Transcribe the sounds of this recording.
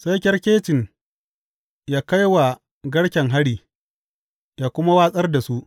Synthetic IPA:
sa˦jkʲɐ˦rkʲeː˦t͡ʃɪ˨n | jaː˦ka˦jwa˨ | ɡɐ˦ɽkʲɛ˨ŋɦa˦ɽiː˨ | jaː˨kʷʊ˦ma˦waː˦sʼɐ˦rda˨su˦ʔ

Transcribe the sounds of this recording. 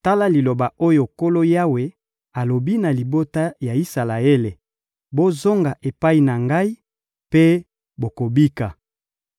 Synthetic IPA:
ta˦la˦li˨lo˨ba˨o˦jo˨ko˦lo˦ja˦we˨ | a˨lo˨bi˦na˨li˨bo˦ta˦ja˨i˦sa˨la˨e˦le˨ | bo˦zo˦ŋɡa˨ʔe˨pa˦i˨na˨ŋɡa˦i˦ | pe˦ | bo˨ko˨bi˦ka˨

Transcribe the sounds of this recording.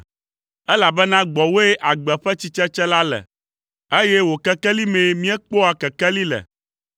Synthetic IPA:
ɛ˦la˨bɛ˦nã˦ɡ͡bɔ˨wo˦e˦ʔa˨ɡ͡bɛ˨ɸɛ˦t͡ɕi˦t͡ʃɛ˦t͡ʃɛ˦la˦lɛ̰˨ | e˦jɛ˦wo˨kɛ˦kɛ˦li˦mɛ̃˨˦mĩ˦ɛ˦k͡po˦a˨kɛ˨kɛ˦li˦lɛ̰˨

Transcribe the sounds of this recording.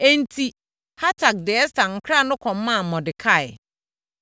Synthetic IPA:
e˦n̩˨tʰi˦ | ha˦tʰa˨k̚dɪ˨ɛ˦stã˨ŋ̩˨kʰɾa˦˨nʊ̃˦kʰɔ̃˨mː˦ã˦˨mɔ̃˨dɪ˨kʰa˦˨jɪ˨

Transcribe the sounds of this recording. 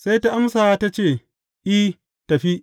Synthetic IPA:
sa˦jta˦ʔa˦msaː˨a˦ta˦t͡ʃeː˦˨ | ʔi˦ | tɐ˨ɸi˦ʔ

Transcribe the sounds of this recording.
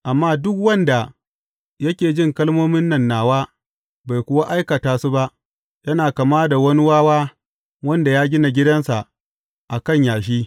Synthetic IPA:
ʔa˨mːaː˦dʊ˦k̚wɐ˦nda˨ | jɐ˦kʲeː˨d͡ʒɪ˦˨ŋkɐ˦lmoː˦mɪ˦nːɐ˨nːaː˨waː˦ | ba˨jkʷʊ˦wa˦ʔa˦jkɐ˨taː˨su˦ba˦ʔ | jɐ˦naː˨kɐ˨maː˦da˨wɐ˦ni˦waː˦waː˦ | wɐ˦nda˨jaː˦ɡʲɪ˦na˨ɡʲɪ˦dɐ˦nsa˨ʔ | ʔa˨kɐ˦˨ɲjaː˨ʃ̬iː˦

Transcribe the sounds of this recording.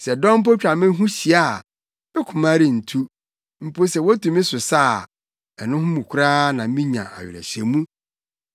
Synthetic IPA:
sɛ˨dɔ̃˦m̩˦p̬o˦t͡ɕᶣa˨mɪ̃˦ɦũ˦ɕi˨a˦˨ | ɪ˦kʰʊ̃˨mã˦ɾɪ˦˨n̩˨tʰu˦ | m̩˨po˦sɛ˨wɔ˦tʰũ˨mĩ˦sʊ˨sa˦˨ | ɛ˨nʊ̃˦ɦʊ̃˦mũ˨kʰʊ˦ɾa˦nã˨m˦mĩ˦ɲã̰˨ʔa̰˨ɥɪ̰˨ɾɛ̰˨ɕɛ̰˨mũ˦

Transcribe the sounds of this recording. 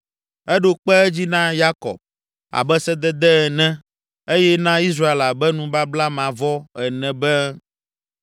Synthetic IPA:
ɛ˦ɖo˦k͡pɛ˦ɛ˦d͡ʑi˦nã˦ja˦kɔ̰˨b̚ | a̰˨bɛ˦sɛ˦d̪ɛ˦d̪ɛ˦ɛ˨nɛ̃˦ | e˦jɛ˦nã˦i˦s̬ɾa˦e˨la˨bɛ˦nũ˦ba˦bla˦mã˨vɔ˦ɛ˨nɛ̃˨bɛ˦

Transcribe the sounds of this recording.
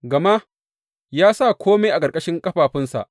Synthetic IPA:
ɡɐ˨ma˦ | jaː˦sa˦˨kʰʷoː˦me˦ʔa˨kʼɐ˨ɾkʼɐ˦ʃɪ˦ŋkʼɐ˦ɸaː˨ɸɪ˦nsa̰˨ʔ

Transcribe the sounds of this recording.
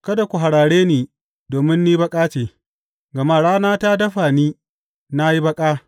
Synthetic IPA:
kɐ˦da˨kʷu˨ɦa˨ɽaː˨ɽeː˦niː˨ | doː˨mɪ˦nːiː˦bɐ˦kʼaː˦t͡ʃeː˨ | ɡɐ˨ma˦˨ɽaː˦naː˦ta˦dɐ˦ɸaː˨niː˦ | na˦ji˦bɐ˦kʼaː˦

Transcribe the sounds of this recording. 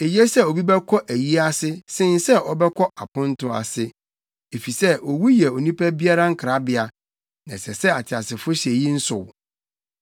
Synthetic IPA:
e˨jɛ˦sɛ˦˨o˨bi˦bɛ˦kʰɔ˦ʔæ˨ji˦a˦sɪ˦sɪ̃˦n˦sɛ˦ɔ˦bɛ˦kʰɔ˦a˨pʰʊ̃˦n̩˦tʰʊ˦a̰˨sɪ˦ | e˨fi˨sɛ˦o˨wu˦jɛ˨o˨nĩ˦pʰæ˦bi˦a˦ɾa˦ŋ̩˦kʰɾa˦bɪ˨a˨ | nã˨sɛ˨sɛ˦a˨t͡ɕʰɪ˨a˨sɪ˨fʊ˦ɕe˨ji˦n̩˦sʊ˨w

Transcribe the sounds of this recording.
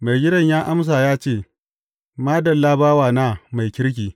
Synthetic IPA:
ma˨jɡʲɪ˦dɐ˦ɲjaː˦ʔa˦ms̬aː˨jaː˦t͡ʃeː˦˨ | maː˦dɐ˨lːa˦baː˦waː˨naː˦ma˨jkʲɪ˦ɽk̬ʲiː˨

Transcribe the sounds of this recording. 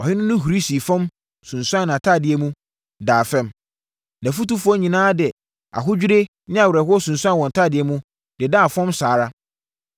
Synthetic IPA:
ɔ˨hɪ˦nʊ̃˦nʊ̃˦ɦu˨ɾi˦si˨fɔ̃˦m | sʊ̃˨nsʊ˦ã˦nã˨tʰa˦˨dɪ˨ɛ˦mũ˦ | daː˨fɛ̃˦m | nã˨fu˦tu˦fʊ˦ɔ˦ɲĩ˨nãː˦dɪ˨ɛ˨ | a̰˨ɦʊ˦d͡ʑᶣi˦ɾe˦ | nɪ̃˦a˨wɾɛ˨ɦʊ˦ɔ˦sʊ̃˨nsã˦˨wɔ̃˨n˨tʰa˦dɪ˨ɛ˦mũ˦ | d̥ɪ˨da˦˨fɔ̃˦msaː˨ɾa˦

